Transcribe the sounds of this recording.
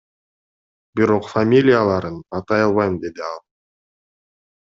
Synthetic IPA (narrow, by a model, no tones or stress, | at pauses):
biɾo̞qfamʲilʲɪjalˠɑɾɯnɑt̪ɑjɑlˠβɑjd̪e̞d̪iɑlˠ